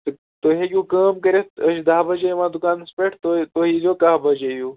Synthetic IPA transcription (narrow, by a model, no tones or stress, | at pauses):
t̪ɨ | t̪oɦejʲuːkɐːmkɐɾet̪əʃd̪aːbɐd͡ʒejʋãːd̪ukaːnspeʈʰt̪ot̪oːɦizoːkaɦbɐd͡ʒejuː